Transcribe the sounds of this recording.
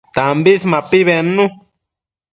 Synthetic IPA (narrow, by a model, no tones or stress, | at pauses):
t̪ambismapiβenːũ